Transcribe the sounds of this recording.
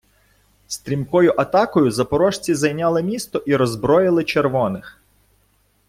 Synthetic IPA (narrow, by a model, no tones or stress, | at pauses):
st̪ɾʲimkɔjʊʔɐt̪ɑkɔjʊzɐpɔɾɔʃt͡sʲizɐjnʲɑlˠɪmʲist̪ɔʔiɾɔzbɾɔjɪlˠɪt͡ʃeɾʋɔnɪx